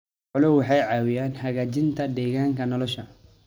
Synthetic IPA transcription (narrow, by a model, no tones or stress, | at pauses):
ħʊlʊwwɑħɑjʕɑːwɪjaːnhɐɣaːt͡ʃɪnt̪ʰɐd̪ɛːɣaːŋkʰɐnɔlɔʃɐ